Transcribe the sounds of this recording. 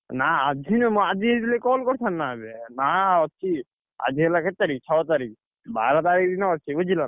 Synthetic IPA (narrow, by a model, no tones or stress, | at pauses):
naad͡ʒʱinmɔad͡ʒ̪ʱid̪ilekɔːlkɔɽt̪ʰanːabenaːɔt̪ːt͡ʃʰi | a̰d͡ʒʱilaket̪ːaɾikt͡ʃʰɔwt̪aɾik̚ | ba̰ːɾat̪aɾik̚d̪inaɔt̪ːt͡ʃʰiʋud͡ʒila